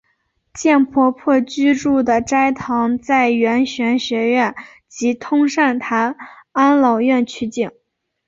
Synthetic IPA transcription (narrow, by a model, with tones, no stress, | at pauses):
t͡ɕjɛ˥˩npʰwɔ˥pʰwɔ˥˧t͡ɕy˥ʈ͡ʂu˥˩d̪ə˩ʈ͡ʂa˥ɪt̪ʰɑ˧˥ŋt͡sa˥˩ɪɥɛ˧˥nɕɥɛ˧˥nɕɥɛ˧˥ɥɛ˥˩n | t͡ɕi˧˥t̪ʰʊ˥ŋʂa˥˩nt̪ʰa˧˥na˥nlɑ˨˩ʊɥɛ˥˩nt͡ɕʰy˧˥t͡ɕi˨˩˦ŋ